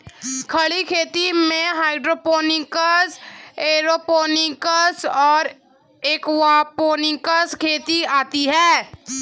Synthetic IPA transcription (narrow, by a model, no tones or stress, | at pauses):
kʰɐɭikʰeːt̪imẽɦaːɪɖɾoːpoːnɪkəseːɾoːpoːnɪkəsɔːɾ | eːkwaːpoːnɪ̃kəskʰeːt̪iaːt̪iɦɛː